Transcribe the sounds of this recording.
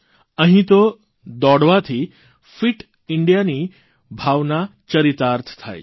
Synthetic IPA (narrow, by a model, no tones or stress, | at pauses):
ə̃ɦĩt̪o | d̪ɔɽʋat̪ʰiː | fiʈ | iɳɖijaniː | bʱaʋnat͡ɕəɾit̪aɾt̪ʰt̪ʰa̰j